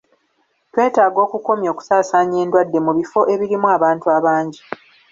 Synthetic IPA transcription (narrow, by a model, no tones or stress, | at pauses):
twe̞ːtaːɡo̞ːkuko̞mjo̞ːku̥saːsaːɲe̞ːndwadːe̞muβifo̞ʔe̞βiɾimuaβaːntuaβaːɲɟi